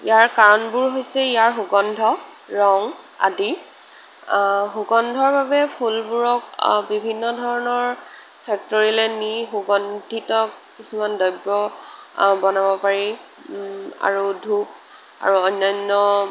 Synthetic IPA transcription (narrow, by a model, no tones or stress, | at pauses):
ḭjaɹkaɹɔnbʊɹɦojsɛijaɹxoɡɔndʱɔ | ɹɔŋ | a̰di | xoɡɔndʱɔɹbabɛpʰulbuɹɔkbibʱinːɔdʱɔɹɔnɔɹ | pʰɛk̚tɔɹilɛnixoɡɔndʱitɔk | kisumandɔjbɹɔ | bɔnabɔpaɹi | a̰ɹudʱup̚ | a̰ɹuɔjnːɔnːɔ